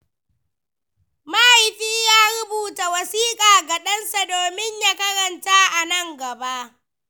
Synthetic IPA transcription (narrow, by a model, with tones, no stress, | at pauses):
ma˦ʔa˨jɸiː˦jaː˦ɽʊ˦buː˨ta˨wɐ˨siː˦kʼaː˨ɡɐ˨ɗɐ˦nsa˨doː˨mɪ˦ɲja˦kɐ˦ɽɐ˨nta˦ʔa˨nɐ˦ŋɡɐ˨ba˦ʔ